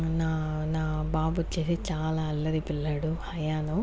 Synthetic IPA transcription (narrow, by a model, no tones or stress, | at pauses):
naːnaːbaːbut͡ʃeːsit͡ʃaːlaːɐlːɐɾipilːaːɽuhɐjaːnu